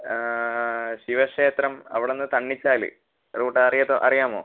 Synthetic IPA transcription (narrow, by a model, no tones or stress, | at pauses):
ɕiʋɐʂeːt̪rɐmɐ̰ʋiɽenːɨt̪ɐɳːit͡ɕːaːlɨ̰ | ruːʈːɐɐrijɐðoːʔɐrijaːmo̰ː